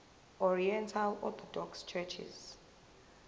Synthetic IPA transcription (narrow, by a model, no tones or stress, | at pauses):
ɔɹiɛntʰalɔ̰t̪ʰɔdɔkst͡ʃʰɛt͡ʃʰḭz̥